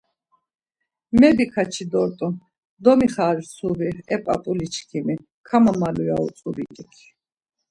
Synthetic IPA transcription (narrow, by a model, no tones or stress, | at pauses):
mɛbikʰat͡ʃʰid̪ɔɾt̪ʼu | d̪ɔmiχaːɾsʰuɾiɛpʼa̰pʼulit͡ʃʰkʰimi | kʰamamaluja̰ṵsʼuɾikʼikʰi̥